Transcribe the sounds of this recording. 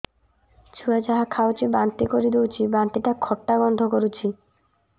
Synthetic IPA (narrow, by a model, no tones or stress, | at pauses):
t͡ɕʰuad͡ʑaɦakʰawt͡ɕibant̪ikoɾid̪uwt͡ɕʰibant̪iʈakʰɔʈːaɡɔnd̪ʱokoɾut͡ɕʰi